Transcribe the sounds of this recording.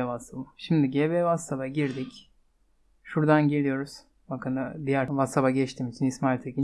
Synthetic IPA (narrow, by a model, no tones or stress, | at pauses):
vasabaʃimd̪iɟeːbɛvasabaɟiɾd̪ic | ʃuɾd̪anɟiɾʲijo̞ɾuz̥ | bakʰɯnb̪ijæɾvasabaɟɛt͡ʃt̪ʰiːmit͡ʃʰinismalʲt̪ʰeci